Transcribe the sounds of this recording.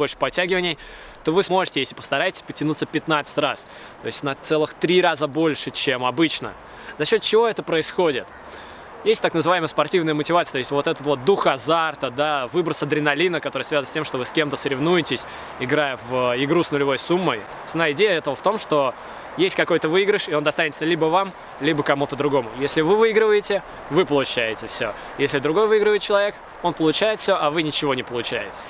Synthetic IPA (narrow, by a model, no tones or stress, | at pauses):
bolʲʂɨ̥pɐtʲːæɡʲɪvənʲɪj | t̪o̞vɨsmo̞ʐɨtʲɪjesʲlʲɪpəst̪ɐɾajɪtʲɪ̥sʲpətʲɪnut̪sːəpʲɪt̪nat̪sɨ̥tʲras | t̪o̞ɪsʲtʲnɐt̪sɛlˠɨxt̪ɾʲiɾazəbo̞lʲʂɨt͡ɕemɐbɨt͡ɕnə̰ | zɐɕːo̞t̪̚t͡ɕɪvo̞ɛt̪əpɾəɪsxo̞dʲɪt̪ | jesʲtʲt̪aknəzɨvaɪməjəspɐrtʲivnəjəmətʲɪvat̪sɨət̪oɪsʲtʲvo̞t̪ɛt̪ət̪vo̞t̪̚d̪uxɐzart̪əd̪avɨbɾət̪səd̪ɾʲɪnɐlʲinəkɐt̪oɾəsvʲaznəsʲtʲe̞mʂt̪o̞vɨskʲe̞mt̪əsəɾʲɪvnujɪtʲɪsʲ | ɪɡɾajəvɪɡɾusnʊlʲɪvo̞jsumːəj | snajəɪdʲejəɛt̪əvəft̪o̞mʂt̪o̞ | jesʲtʲkɐko̞jt̪əvɨiɡɾʲɪʂɪo̞nd̪ɐst̪anʲɪt̪səlʲibəvam | lʲibəkɐmut̪əd̪ɾʊɡo̞mʊjesʲlʲɪvɨvɨiɡɾəvəjɪtʲɪ | vɨpəlˠʊt͡ɕæjɪtʲɪfsʲo | jesʲlʲɪd̪ɾʊɡo̞jvɨiɡɾəvəɪt̪̚t͡ɕɪlˠɐvʲek | o̞npəlˠʊt͡ɕæjɪt̪fʲsʲoʔɐvɨnʲɪt͡ɕɪvo̞nʲɪpəlˠʊt͡ɕæjɪt̪ʲə̥